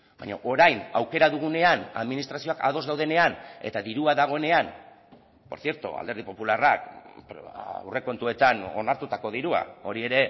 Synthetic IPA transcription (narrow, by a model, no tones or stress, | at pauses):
ba̰ɲa̰ʔo̞ɾajna̰wke̞ɾaðuɣ̞une̞ana̰ðminist̪ɾasio̞aka̰ð̞o̞zðawð̞e̞ne̞ane̞̰t̪aðiɾuaðaɣ̞o̞e̞ne̞an | po̞ɾθie̞ɾt̪ṵa̰ld̪e̞ɾðipo̞pularak̚pwre̞ko̞nt̪ue̞t̪ano̞̰naɾt̪ut̪ako̞ðiɾua̰o̞ɾie̞ɾe̞